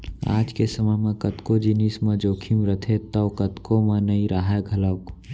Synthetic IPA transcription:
a̰ːd͡ʒkesəməɦmẽkət̪kod͡ʒinismẽd͡ʒoːkʰimɾət̪ʰet̪əːkət̪komenəĩɾaɦaɡʱələk

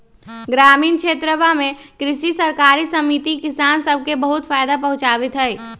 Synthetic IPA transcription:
ɡɾaːmiːnkʃʰeːt̪ɾəbamẽkɾɪʃisɐɾkaːɾisɐmit̪ikɪsaːnsəb̚ʱkebəɦʊt̪faːɪd̪apɐɦʊ̃t͡ʃaːʋɪt̪ɦɛj

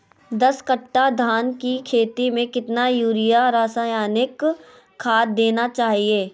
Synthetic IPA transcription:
d̪ɐskɐʈːad̪ʱaːnkikʰeːt̪imẽkɪt̪najuːɾɪjaɾaːsaːjaːnɪkʰː | aːt̚d̪eːnat͡ʃaːɦieː

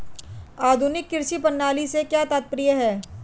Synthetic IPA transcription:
aːd̪ʱʊnɪkːɪɾʃipɐnːaːlisekjaːt̪aːt̪̚pɾijəɦɛː

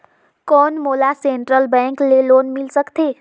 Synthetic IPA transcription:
kɔnmolaseɳʈɾəlbaŋklelonmilsəkt̪ʰe

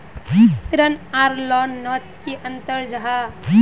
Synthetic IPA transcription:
t̪ɾənaɾlɔnːɔt̪keʔənt̪əɾd͡ʒaɦa

